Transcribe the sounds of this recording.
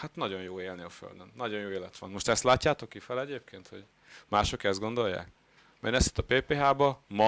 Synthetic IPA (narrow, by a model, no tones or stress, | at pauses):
hat̪nɒɟo̞njoːeːlneːɒfø̰ld̪ønːɒɟo̞njoːeːlɛt̪ʋɒ̰nmo̞ʃt̪ɛst̪laːcːaːt̪o̞kːifɛlɛɟeːp̚kʰeːnt̪ho̞̰ɟ | maːʃo̞kɛzd̪ɡo̞nd̪ojːa̰ːk | mɛ̰nɛst̪i̥t̪ːɒpeːpeːɦaːbɒmɒ